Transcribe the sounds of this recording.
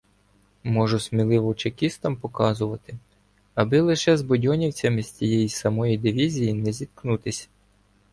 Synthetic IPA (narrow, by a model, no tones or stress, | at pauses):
mɔʒʊsʲmʲilˠɪʋɔwt͡ʃekʲist̪ɐmpɔkɑzʊʋɐt̪ɪ | ɐbɪlˠɪʃɛzbɔdʲɔnʲiwt͡sʲɐmɪsʲt͡sʲijɛjisɐmɔjid̪ɪʋʲizʲijinɛzʲit̪knut̪ɪsʲ